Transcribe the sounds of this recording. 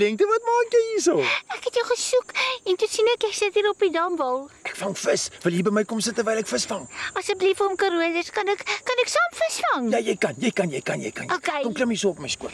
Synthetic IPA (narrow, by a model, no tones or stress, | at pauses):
dɛŋktəvɐtmɑːkjəjisəækɦɛtjəwχəsukɛntusinɛkɛksətiːɾɔpidɐːmvɐlˠɛkfɐŋfəsvəlˠɦiːrbəjməjkɔmsətːərvɛjlɛkfəsfɐŋɐsɛk̚blifɔmkɐɾuəzəskɐnɛkːɐnɛksɑːmfəsfɐŋjɑjəjkɐnjəjkɐnjəjkɐnjɛ̰jkɐnokekomkləməsuːɔpməjskuət